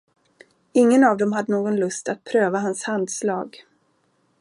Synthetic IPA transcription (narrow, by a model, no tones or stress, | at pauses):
ɪŋːənavd̪ɛmɦad̪ːənoːɡɔnlɵst̪at̪̚pʰɾøːvaɦanshand̪slɑːɡ